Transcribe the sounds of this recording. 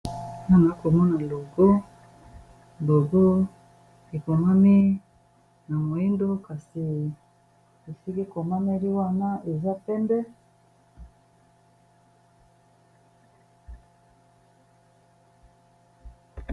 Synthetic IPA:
na˦˨na˨˦ko˨mɔ˦na˨lo˨ɡo˦ | lo˨ɡo˦ | i˨ko˨ma˦mi˦ | na˨mo˨i˦ndo˦ka˨si˨ | i˨si˦ke˦ko˨ma˦me˦ɾi˦wa˦˨na˦e˨za˦pɛ˦mbɛ˦

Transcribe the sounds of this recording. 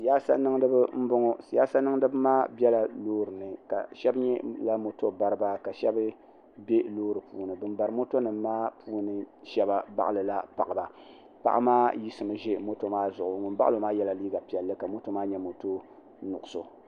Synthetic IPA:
jaː˦sa̰˦nɨ˦ŋdɨ˦bɨ˦m̩˦bʊ˦ŋɔ˦˨jaː˦sa˦nɨ˦ŋdɨ˦bɨ˦maː˦bɛ˦la˨loː˦ɾɨ˨nɨ˨ka̰˨ʃɛ˦bɲɛ˦la˦mo˨to˦ba˦ɾɨ˦ba˦ka˨ʃɛ˦bɨ˦ | be˦loː˦ɾɨ˨puː˨˦nɨ˨bɨ˨mba˨ɾɨ˨mo˦to˦nɨ˨mː˦aː˦pʰuː˦nɨ˨ʃɛ˦ba˨ba̰˦ʔa˦˨lɨ˨la˦pa̰˨ʔa˨ba˨ | pa̰˨ʔa̰˦maː˦ji˦sɨ˨mɨ˨ʒe˦mo˦to˦maː˦zʊ˨ʔʊ˨ŋʊ˨nba˦ʔlo˨maː˦jɛ˦la˨liː˦ɡa˨pi˨ɛ˨lːɨ˦ka˨mo˦to˦maː˦ɲɛ˦mo˨to˦ | nʊ̰˨ʔʊ˨so̰˨

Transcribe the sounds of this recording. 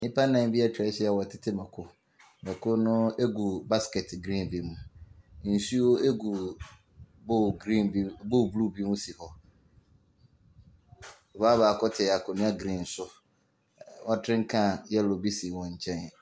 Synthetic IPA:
nɪ̃˦pa˦nã˨m˦bi˦a˦t͡ɕʰᶣɾɛ˦ɕɛ˦a˨wɔ˨tʰɪ˦tʰɪ˦mɛ˨kʰʊ˦ | mɛ̃˨kʰʊ˦nʊ̃˦e˦ɡu˨ba˦skɛ˨tɡɾĩ˦nbi˨mũ˨n̩˨su˦wo˦e˦ɡu˨ | bo˦ɡĩ˦bo˦˨blu˦bi˦mũ˦si˨hɔ˨ | ɔ˨baː˦baː˨kʰɔ˦tʰɪ˨a˨kʰʊ˨nʊ̃˦a˦ɡɾĩ˦n̩˨sʊ˦ | wɔ˦tʰɾɪ̃˦ŋ̩˦kʰã˦˨jɛ˦˨lɔ˨bi˦si˨wɔ̃˨ɲ̩˨t͡ɕʰɛ̃˦n˨

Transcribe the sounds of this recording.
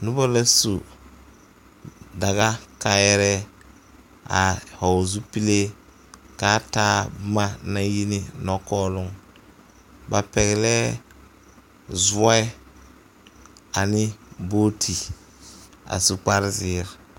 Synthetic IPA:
nʊ˦bɔ˦la˦su˨ | da˨ɣa˦ka˦jɛ˦ɾɛ˦ | a˨hɔ˨zu˦pi˦le˦ | ka˦taː˦bʊ˦ma˦na˦ji˦nɪ˨nɔ˦kɔː˦lʊ˦ŋ | ba˨pɛ˨ɣɛ˨lɛ˦ | zʊ˦ɛ˦ | a˨nɪ˦boː˦tʰi˨ | a̰˨su˨k͡pa˦ɾzɪː˦˨ɾ

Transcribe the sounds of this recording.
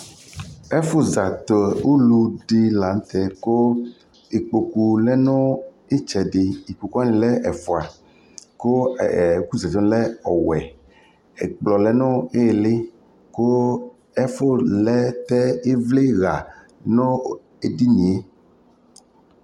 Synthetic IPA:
ɛ˦fo˦za˨t̪o˨u˦lu˦ɖe˦la˨n˦t̪ɛ˦ko˦ | e˨k͡po˨ku˨lɛ˦nõ˦ | e˦t͡ʃɛ˨ɖe˨i˨k͡po˨ku˦a˦nĩ˨lɛ˦ʔɛ˨fo˨a˨ | ko˦˨ku˦zɛ˨tɔ˦lɛ˦ɔ˨wɛ˨ | ḛ˨k͡plɔ˨lɛ˦nõ˦e˦e˨le˦ | ko˦ | ɛ˦fo˦lɛ˦t̪ɛ˦e˦vle˦ɣa˨ | nõ˦ | e˨di˦nĩ˨e˦

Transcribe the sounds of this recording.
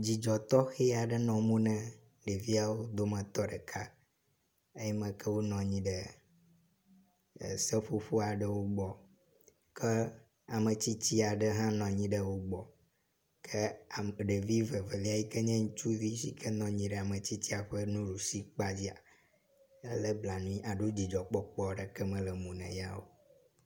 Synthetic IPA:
d͡ʑi˨d͡ʒɔ˨t̪ɔ˦xe˦a˨ɖɛ˦nɔ̃˨mũ˦nɛ̃˦ | ɖe˨vi˦a˨wo˦d̪o˦mɛ̃˨t̪ɔ˦ɖə˨kʰa˦ | e˦jɛ˦mɛ̃˨kɛ˦wo˦nɔ̃˨ɲĩ˦ɖə˨ | sɛ˦ɸo˦ɸu˦a˨ɖə˦wo˦ɡ͡bɔ˨ | kʰɛ˦ | a˨mə˨t͡ɕi˦t͡ɕi˦a˨ɖə˦ɦã˦nɔ̃˨ɲĩ˦ɖə˦wo˦ɡ͡bɔ˨ | kʰə˦˨ɖə˨vi˦və˨ve˨li˦a˨ji˦kə˦ɲɛ̃˦ŋũ˦t͡ʃu˦vi˦sḭ˦kʰə˦nɔ̃˨ɲĩ˦ɖɛ˨a˨mə̃˨t͡ɕi˦t͡ɕi˦a˨ɸə˦nũ˦ɖu˨si˦k͡pa˦d͡ʑi˦a̰˨ | e˦lə˦bla˨nũ˦ĩ˦ʔa˨ɖo˦d͡ʑi˨d͡ʒɔ˨k͡pɔ˦k͡pɔ˦ɖə˨kɛ˦mɛ̃˦lə˨mũ˨nɛ̰̃˨ja˦wo˦

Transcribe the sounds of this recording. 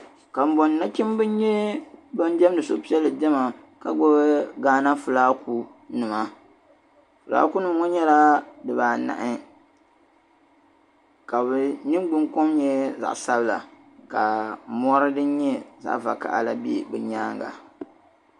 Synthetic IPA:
ka˨m̩˨bɔ˨n˨na˦t͡ʃi˦mbɨ˦n˦ɲɛ˦ba˦n˦dɛ˦m˦dɨ˨so˦pi˦ɛ˦lːɨ˨dɛ˦ma˨ | ka˨ɡ͡bɔ˦bɡaː˦na˦fu˨laː˦ku˦ | nɨ˨ma˨ | fʊ˨la̰ː˦ku˦nɨ˨m˦ŋɔ˦ɲɛ˦la˦dɨ˨baː˨na̰˨ʔɪ˦ | ka˨bɨ˨nɨ˦mɡ͡bʊ˦ŋkɔ˦mɲɛ˦za̰˨ʔsa˦bɨ˦la̰˨ | ka˨mɔ˦ɾɨ˦dɨ˦nɲɛ˦za̰˨ʔva̰˨ka̰˨ʔa̰˦la˦bḛ˦˨bɛ˨ɲaː˦ŋɡa̰˨

